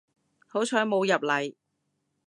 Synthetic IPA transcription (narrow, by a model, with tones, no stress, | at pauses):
ho˨˥wt͡ʃʰœː˨˥jmo˨˧wjɐ˨p̚lɐ˨˩j